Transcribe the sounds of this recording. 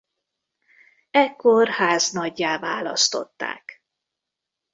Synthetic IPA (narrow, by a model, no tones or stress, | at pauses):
ɛkːorhaːznɒɟːaːvaːlɒ̰st̪o̞̰t̪ːa̰ːk